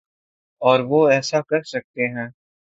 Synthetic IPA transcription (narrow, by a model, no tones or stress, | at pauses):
ɔːɾʋoɛːsakɐɾsɐk̚t̪eɦɛ̃ː